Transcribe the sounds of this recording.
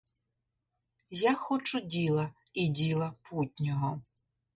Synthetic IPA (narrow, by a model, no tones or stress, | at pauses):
jaxɔt͡ʃʊdʲilˠɐ | idʲilˠɐputʲnʲɔɦɔ